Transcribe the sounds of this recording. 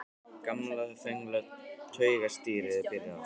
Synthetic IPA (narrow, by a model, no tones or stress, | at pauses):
kamlaðθœŋlœt̪ʰœːɥɣast̪iːɾɪðɪpɪɾɪa